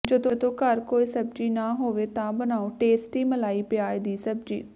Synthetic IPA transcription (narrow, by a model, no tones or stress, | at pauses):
d͡ʒəd̪õd̪õːkəɾkoːiːsəbd͡ʒiːnaːɦoːʋeːt̪ãːbənaːõːʈeːsʈiːməlaːiːpɪjaːed̪iːsəbd͡ʒḭː